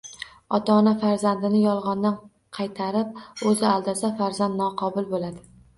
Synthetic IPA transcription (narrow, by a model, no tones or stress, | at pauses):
ɒt̪ʰanafaɾzand̪ɪnɪjɒlˠʁɒnd̪an | qʰɑjt̪ʰaɾɪp̚ɵzɪalˠd̪asafaɾzand̪nɒqʰɒbʊlˠbolad̪ɪ